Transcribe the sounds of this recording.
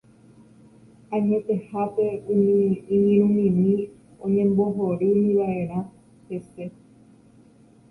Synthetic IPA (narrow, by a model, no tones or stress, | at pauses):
ãɲẽt̪e̞hape̞ũmĩũɲẽɾ̃ũmĩmĩ | õɲẽ̞mbo̞ɦoɾɨmĩʋaʔe̞ɾ̃ã | hese̞